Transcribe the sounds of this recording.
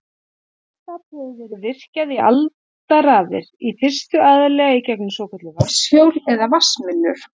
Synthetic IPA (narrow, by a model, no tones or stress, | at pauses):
t̪apɛðɛɾʏvɪr̥caðiʔa̰lt̪araːðɪ̰ɾ̥ifɪr̥st̪ʏʔaðalɛːɣaicɛknʏsoːwkʰɛt̪lʏvasjowlɛðavasmɪlːʏɾ̥